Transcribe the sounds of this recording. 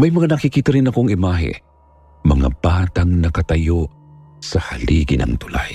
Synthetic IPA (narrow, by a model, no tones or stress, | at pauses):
mɐjmɐŋanɐkikiːt̪ɐɾɪnɐkoŋɪmaːɦɪ̰ | mɐŋa̰baːt̪aŋnɐkɐt̪ɐjo | sɐhaliɡɪnɐ̰ŋt̪ʊla̰j